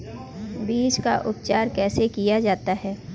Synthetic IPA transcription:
biːd͡ʒka̰ʔʊpt͡ʃaːɾkɛːsekijad͡ʒaːt̪aɦɛː

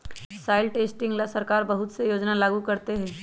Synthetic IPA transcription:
saːɪlʈeːsʈɪ̃ŋɡlasɐɾkaːɾbɐɦʊt̪sejoːd͡ʒnalaːɡukɐɾt̪eɦɛ̃ː

